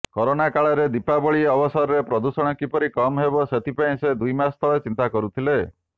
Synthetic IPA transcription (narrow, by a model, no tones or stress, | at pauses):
kɔɾonakaɭɔɾed̪ipabɔɭieɔbɔsɔɾɔɾepɾɔd̪usɔɽ̃ɔkipɔɾikɔmɦebɔset̪ʰipaĩsed̪ujmast̪ʰɔɭet͡ʃint̪akɔɾut̪ʰile